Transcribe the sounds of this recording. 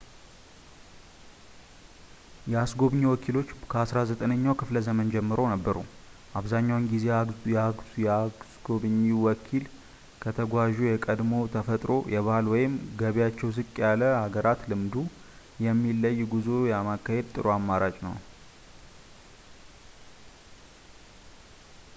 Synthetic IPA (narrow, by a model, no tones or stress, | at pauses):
jɛasɡo̞βɨɲiwɔkʰilo̞t͡ʃːkʰəasɾazət̪ʼənəɲːawkʰɨfləzəmənd͡ʒɛmːɨɾo̞nəbːəɾuʔaβzaɲːawɨnɡizejjɛasɡoβɨɲːiwɔkʰil | kʰət̪ʰəɡʷaʒujɛkʼəd̪mo̞t̪ʰəfət̪ʼɾo̞jɛβalwɔjɪmɡəβjat͡ʃːɛws̬ɨkʼːjaləhaɡəɾat̪lɨmd̪u | jɛmːilːəjːɡuzojamakːahe̞d̪̚t̪ʼɨɾoamːaɾat͡ʃʼnə̰w